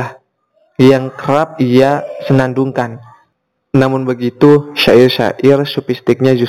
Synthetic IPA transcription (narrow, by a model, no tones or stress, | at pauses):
a | jaŋkəɾap̚ijasənanduŋkan | namʊnbəɡit̪uʃaɪrʃa̰ʔɪrsupist̪ɪk̚ɲad͡ʒu